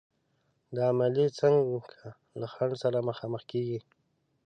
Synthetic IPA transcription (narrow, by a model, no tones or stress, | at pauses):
d̪əamalet͡saŋɡwukʰa | laxaɳɖsaɾaməxɑməxkeɡi